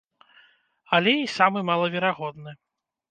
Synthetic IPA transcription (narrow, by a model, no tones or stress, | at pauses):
ɐlʲɛisamɨmalˠɐvʲɛɾaɣɔd̪nɨ